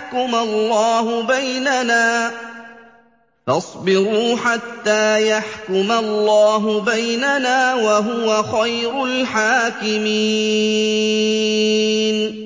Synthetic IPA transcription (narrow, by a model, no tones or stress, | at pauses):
kʊmalːɑːhʊbajnanaː | fɑsˤbɪɾuːħat̪ːaːjaħkʊmalˤːɑːɦʊbajnanaːwaɦʊwaxajɾʊlħaːkɪmi | n